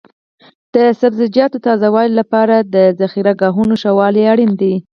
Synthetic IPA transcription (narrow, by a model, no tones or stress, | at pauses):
d̪̥əsabzɪd͡ʒjɑt̪ot̪ɑzawɑllapɑɾad̪əzaxiɾaɡɑɦunoʃawɑliaɽind̪i